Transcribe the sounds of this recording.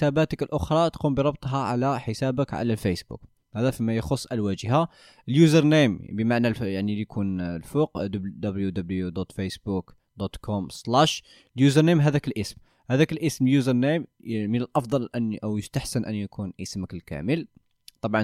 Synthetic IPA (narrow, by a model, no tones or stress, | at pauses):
sæbæt̪əkəlʔʊxɾˤɑt̪qumbəɾˤɑb̚t̪ˤɦɑʕa̰læħəsæbəkʕa̰lælfæsbṵk | hæd̪æfimæjxosˤːʔælwæʒəha | ʔəljuzəɾˤnembəmaʕnaljaʕnilikʰunlfuqd̪d̪æbəljud̪əbəljud̪ot̪ˤfesbuk | d̪ot̪kʰɔmslæʃ | ljuzəɾˤnemɦæd̪ækəlʔəsm | hæd̪ækəlʔəsmljuzəɾˤnemːənəlʔɑfd̪ˤɑlʔənʔəwjəst̪aħsənʔə̰njkʰunʔəsməkəlkæ̰məl | t̪ˤɑbʕɑ